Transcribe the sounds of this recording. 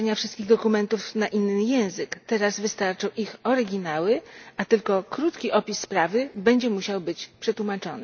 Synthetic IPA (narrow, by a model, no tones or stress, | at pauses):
ɲafʂɘst̪kʲiɣd̪ɔkumɛnt̪ufnaʔinːɘjɛ̃w̃zɘkt̪ɛɾazvɘst̪aɾt͡ʂɔ̃wʔixɔɾɘɡʲinawɘat̪ɘlkɔkɾut̪kʲiʔɔpʲisːpɾavɘbɛɲd͡ʑɛmuɕawbɘt͡ɕpʂɛt̪wumat͡ʂɔnɘ